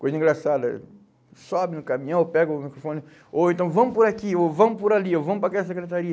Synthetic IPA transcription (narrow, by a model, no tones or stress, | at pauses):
kojzɐĩŋɡɾasad̪ɐ̰ | sɔbɪnʊkamĩɲɐ̃w̃pɛɡɐmikɾofõnɪ | oẽnt̪ɐ̃w̃vɐ̃m̃ʊpʊɾakiovɐ̃mʊpʊɾaliovɐ̃mʊpɾɐkɛɐs̬ekɾet̪aɾiɐ